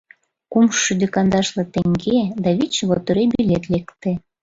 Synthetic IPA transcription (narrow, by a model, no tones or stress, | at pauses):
kumʃyd̪ekɑnd̪ɑʃlɤ̆t̪eŋɡed̪ɑβit͡ɕβot̪oɾebilʲet̪lekt̪e